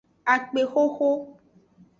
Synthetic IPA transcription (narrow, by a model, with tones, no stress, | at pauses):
a˨k͡pe˨xo˦xo˦